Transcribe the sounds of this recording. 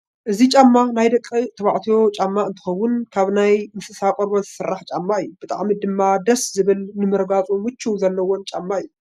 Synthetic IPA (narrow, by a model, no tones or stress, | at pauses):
ʔɨzit͡ʃʼamːanajd̪ɐkʼːit̪ʰɐβaʕt̪ʰijo̞t͡ʃʼamːaɨnt̪ʰɨ̥xɐwːʊnkʰaβnajmɨsɨsakʼoɾbozɨ̥sɨrːaħt͡ʃʼamːaɨjːub̥ɨt̪ʼa̰ʕmid̪ɨmːad̪ɐszɨβɨlnɨmɨɾɡat͡sʼumɨt͡ʃʰːuzɐlːɐwont͡ʃʼamːaɨjːu